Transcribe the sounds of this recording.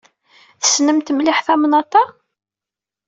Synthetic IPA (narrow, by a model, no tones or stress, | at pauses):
θə̥snəmt̪mlɪħθæmnɑt̪ˤɑ